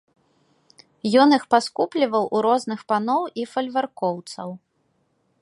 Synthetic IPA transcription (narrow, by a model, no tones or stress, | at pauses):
jɔnixpaskuplʲivɐwʔuɾɔznɨxpanɔwifɐlʲvarkɔwt̪sɐw